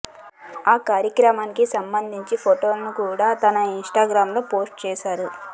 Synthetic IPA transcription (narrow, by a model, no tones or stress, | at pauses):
aːkaːɾjɐkɾɐmaːnikisɐmbɐnd̪ʱiɲt͡ʃipʰoʈo̞ːlɐnukuːɽaːt̪ɐnɐinʂʈaːɡɾaːmlo̞ːpo̞ːsʈt͡ʃɛːʃaːɾu